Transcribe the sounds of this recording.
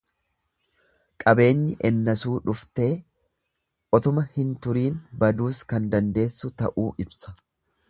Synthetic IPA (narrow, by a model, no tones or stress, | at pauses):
kʼɐbe̞ːɲːɪʔɛnːɐsuːᶑʊft̪e̞ː | ʔɔt̪ʊmɐhɪnt̪ʊɾiːnbɐd̪uːskɐnd̪ɐnd̪e̞ːsːʊt̪ɐ̰ʔuːʔɪbsɐ̥